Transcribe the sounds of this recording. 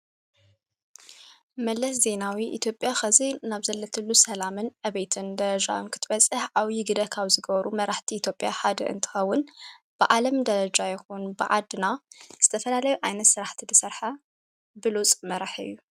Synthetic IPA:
mɐlːɐs̬ze̞nawiʔḭt̪ʰjo̞pʼjaxɐzinaβzɐlːɐt̪ʰɨlːusɐlamɨnʔɐβejt̪ʰɨnd̪ɐɾɐd͡ʒa̰wɨnkʰɨ̥t̪ʰɨβɐt͡sʼɨħʔawjɪɡɨd̪ɐkʰaβzɨɡɐβɐɾumɐɾaħt̪ʰiit̪ʰjo̞pʼjaħad̪ɐ̰ʔɨ̰nt̪ʰɨ̥xɐwːʊnb̥ɨʕalɐmd̪ɐɾɐd͡ʒajɛxunbɨʕad̪ɨnaz̥ɨt̪ʰɐfɐlalɐjuʔajnɐt̪sɨɾaħt̪ʰid̪ɨsɐɾħa | bɨlut͡sʼmɐɾaħɨ̰jːu

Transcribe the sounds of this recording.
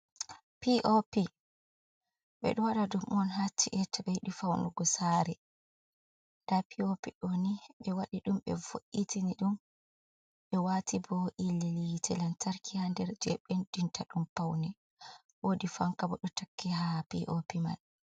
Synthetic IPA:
piʔopi | ɓɛ̰ɗuwaɗadumʔɔnɦat͡ʃːiʔɛtːaɓɛjɗufawnuɡɔsaɾɛ | ndapiopiɗɔniɓɛwaɗiɗumɓɛ̰voʔːitiniɗum | ɓɛwatibɔʔilːilitʰɛlantʰaɾkʰihandɛɾd͡ʒɛɓendintʰaɗumpawnɛ | wodifaŋkabɔɗɔtakːɛɦapiʔopima̰n

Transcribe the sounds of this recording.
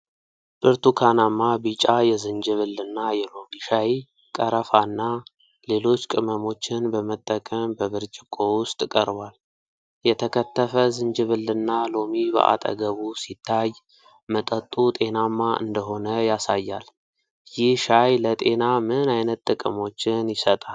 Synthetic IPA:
b̥ɨɾt̪ʰukʰanamːabit͡ʃʼajɛzɨnd͡ʒɨβɨlːɨnːajɛlo̞miʃaj | kʼəɾəfanːa | le̞lo̞t͡ʃːkʼɨməmo̞t͡ʃːɪnbəmət̪ʼːəkʼəmbəβɨɾt͡ʃʼɪkʼo̞wʊst̪ʼkʼəɾbwal | jɛt̪ʰəkʰət̪ːəfəzɨnd͡ʒɨβɨlːɨnːalo̞mibə̰ʔa̰t̪ʼə̰ɡəβusit̪ʰːaj | mət̪ʼət̪ʼːut̪ʼe̞namːaʔɨ̰nd̪əɦo̞nəjasajːal | jɪhʃajlət̪ʼe̞namɨnajnət̪ːʼɨkʼɨmo̞t͡ʃːɪnjɪsət̪ʼal

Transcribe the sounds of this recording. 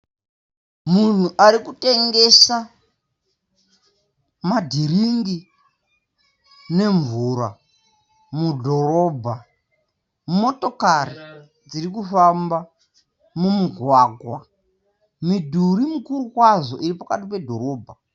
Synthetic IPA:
mun̤uʔaɾikute̞ŋɡe̞sa | madʱiriŋɡi | ne̞ɱvuɾa | mudʱo̞ɾo̞ːbʱa | mumo̞to̞kari | d͡ziɾikufamba | mumuɡʱwaːɡʱwa | midʱuɾimukurukwazo̞ʔiripakatip̬e̞dʱo̞ɾo̞ːbʱa

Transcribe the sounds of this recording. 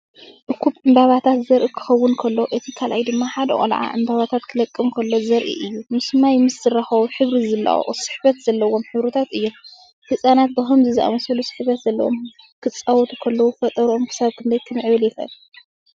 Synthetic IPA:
ʔɨkʰupʼʔɨmbaβat̪ʰat̪zɐɾʔikʰɨ̥xɐwːʊnkʰɐlːoʔɨt̪ʰikʰalʔajd̪ɨmːaħad̪ɐ̰ʔʼɐ̰lʕa̰ʔɨmbaβat̪ʰat̪kʰɨlɐkʼːɨmkʰɐlːo̞zɐɾʔḭʔɨjːumɨsmajmɨszɨraxɐwuħɨβɾizɨlːa̰ʔo̰sɨ̥ħbɐt̪z̥ɐlːɐwo̞mħɨβɾɨt̪ʰat̪ɨjːo̞m | hɨsʼanat̪̚bɐxomzɨzɨʔa̰mɐsɐlusɨ̥ħβɐt̪z̥ɐlːɐ̰wo̰m | kʰɨt͡sʼːawɔt̪ʰukʰɐlːɐwufɐt̪ʼɐɾuʔomkʰɨ̥saβkʰɨnd̪ɐjk̪ʰɨmɨʕβɐljɪxɐ̰l

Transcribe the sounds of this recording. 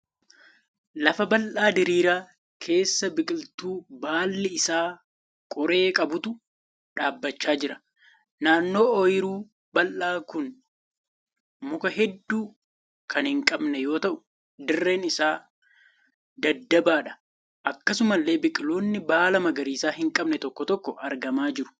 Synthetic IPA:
lɐfɐbɐlʔaːd̪ɪɾiːɾaː | kʰe̞ːsːɐbɪkʼɪlt̪uːbaːlːɪɪsaː | kʼɔɾe̞ːkʼɐbʊt̪ʊ | ᶑaːbːɐt͡ʃːaːd͡ʒɪɾɐ̥ | naːnːo̞ːɔjɪɾuː | bɐlʔaːkʊn | mʊkɐɦɛd̪ːuː | kʰɐnhɪŋkʼɐbnɛjo̞ːt̪ɐʔʊ | d̪ɪrːe̞ːnɪsaː | d̪ɐd̪ːɐbaːᶑɐ̥ | ʔɐkːɐsʊmɐlːe̞ːbɪkʼɪlo̞ːnːɪbaːlɐmɐɡɐɾiːsaːɦɪŋkʼɐbnɛt̪ɔkːɔt̪ɔkːɔʔɐɾɡɐmaːd͡ʒɪɾʊ̥

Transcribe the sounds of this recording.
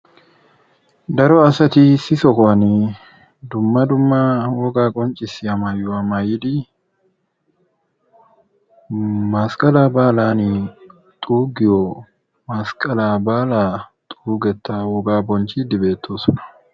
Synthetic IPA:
d̪ɐɾɔɐsɐt̪isɪsɔkɔɐni | d̪ʊmːɐd̪ʊmːawɔɡaːkʼɔnt͡ʃʼɪsɪɐmɐjʊɐmɐjɪd̪ɪ | maskʼɐlaːbaːlaːni | t̪ʼuːɡɪjɔ | mɐskʼɐlaːbaːlaːt̪ʼuːɡɛt̪ːawɔɡaːbɔnt͡ʃiːd̪ɪbe̞ːt̪ːoːsɔnɐ̥

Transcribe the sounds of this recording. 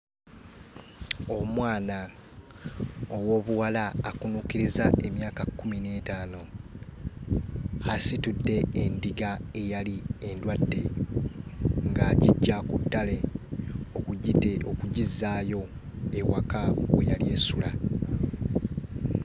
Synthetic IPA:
o̞mwaːna | owo̞ːβuwalaːkunuːkiɾizaʔe̞mjaːkakːumine̞taːno̞ | asitudːe̞ːndiɡae̞jaliendwadːe̞ | ŋɡaːɟiɟːakudːale̞ | okuokuɟizːaːjo̞ | ewa̰kawḛjalie̞sula̰

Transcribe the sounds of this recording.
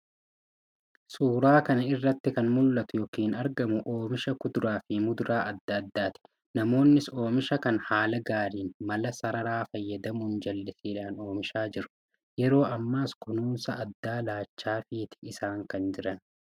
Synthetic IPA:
suːɾaːkɐnɐɪrːɐt̪ːɪkɐnmʊlːɐt̪ʊjɔkiːnɐɾɡɐmʊʔo̞ːmɪʃɐkʊd̪ɾaːfɪmʊd̪ɾaːʔɐd̪ːaːd̪ːaːt̪ɪ̥ | nɐmo̞ːnːɪso̞ːmɪʃɐkɐnhaːlɐɡaːɾiːnmɐlɐsɐɾɐɾaːfɐjːɐd̪ɐmʊnd͡ʒɐlːɪsiːᶑaːno̞ːmɪʃaːd͡ʒɪɾʊ̥ | jɛɾo̞ːɐmːaːskʊnuːnsɐɐd̪ːaːlaːt͡ʃːaːfiːt̪ɪ̥ɪsaːŋkɐnd͡ʒɪɾɐn

